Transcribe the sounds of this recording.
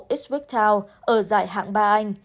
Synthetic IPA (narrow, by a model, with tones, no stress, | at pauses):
ʔi˦˥s̚wi˦˥k̚t̪ʰaː˧wʔəː˧˩zaː˧˩jɦa̰ː˧˨ŋɓaː˧ʔa˧jŋ̟